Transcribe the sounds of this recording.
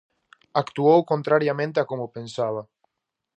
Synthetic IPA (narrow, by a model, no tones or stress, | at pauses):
akt̪uowkont̪ɾaɾjamẽnt̪eakomopensaβa